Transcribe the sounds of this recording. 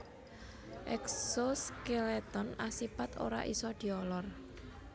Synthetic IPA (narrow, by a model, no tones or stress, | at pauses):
ʔɛksoskelet̪ɔnasipat̪o̰ɾa̰ʔisɔd̪̥i̤ɔlɔr